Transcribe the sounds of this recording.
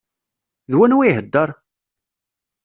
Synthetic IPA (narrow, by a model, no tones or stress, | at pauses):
ðwænwiɦəd̪ːəɾˤ